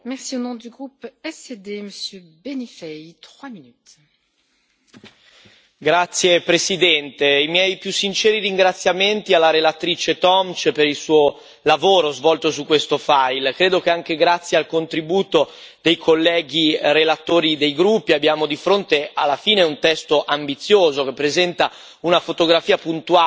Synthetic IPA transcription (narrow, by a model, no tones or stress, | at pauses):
mɛʁsionɔ̃d̪yɡʁupɛsed̪eməsjø | benifɛjt̪χwaminyt̪ | ɡɾat̪sːjepɾesid̪ɛnt̪eimjɛjpjusːint͡ʃɛːɾiriŋɡɾat̪sːjament̪ialːaɾelat̪ɾiːt͡ʃet̪ɔmt͡ʃpeɾilsuːo | lavoːɾozvɔlt̪osukːwest̪ofajlkɾeːd̪okeaŋk̟eɡɾat̪sːjealkont̪ɾibuːt̪o | d̪̥ejkʰolːɛːɡirelat̪oːɾid̪ejɡɾupːiabːjaːmod̪ifɾont̪ealːafiːneunt̪ɛst̪oʔambit̪sːjoːzok̟epːɾezɛnt̪a | unafot̪oɡɾafiːapunt̪ua